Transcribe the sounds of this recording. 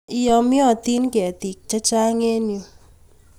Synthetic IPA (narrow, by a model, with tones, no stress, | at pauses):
ɪ˦jɔ˨mjɔ˦˨t̪i˦nkɛ˨t̪i˨k̚t͡ʃa˦t͡ʃa˦ŋe˦njo˨